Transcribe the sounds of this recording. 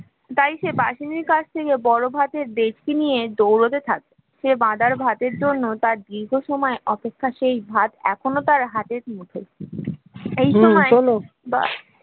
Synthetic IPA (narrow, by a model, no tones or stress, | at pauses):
t̪ajʃebaʃiniɾkad͡ʑʰt̪ʰekebɔɾobʱat̪eɾd̪ed͡ʑkenijed̪owɾot̪et̪ʰa̰k̚e | ʃebãd̪ʱaɾbʱat̪eɾd͡ʑonːot̪aɾd̪ɾiɾɡʱoʃɔmɔeʔɔpekʰːaʃejbʱat̪ɛ̰kʰonot̪aɾɦat̪eɾmuʈʰol | ejʃɔmɔeolo | ba̰